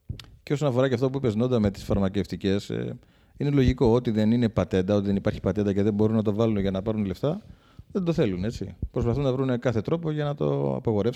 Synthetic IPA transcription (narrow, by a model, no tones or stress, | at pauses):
ceoso̞nɐfo̞ɾɐceɐft̪o̞p̬uipe̞zno̞nd̪ɐme̞t̪i̥sfɐɾmɐce̞ft̪ice̞s | ine̞lo̞ʝiko̞o̞t̪iðe̞nine̞pɐt̪e̞nd̪ɐo̞t̪iðe̞nipɐɾçi̥pɐt̪e̞nd̪ɐce̞ðe̞bo̞ɾunɐt̪o̞vɐlunʝɐnɐpɐɾunle̞ft̪ɐ | ðe̞nd̪o̞θe̞lune̞t͡sḭpɾo̞spɐθunːɐvɾunkɐθe̞t̪ɾo̞po̞ʝɐnɐt̪o̞̰ɐ̰pɐɣo̞ɾef